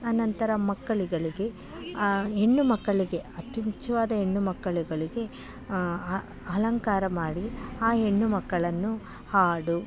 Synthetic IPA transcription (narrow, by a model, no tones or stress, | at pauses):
ɐnɐnt̪ɐɾɐmɐkːɐɭiɡɐɭiɡe̞ | e̞ɳːumɐkːɐɭiɡe̞ɐt̪ːjimut͡ʃʰːjɐʋaːd̪ɐe̞ɳːumɐkːɐɭiɡɐɭiɡe̞ | ɐlɐŋkaːɾɐmaːɽiaːe̞ɳːumɐkːɐɭɐnːu | haːɽu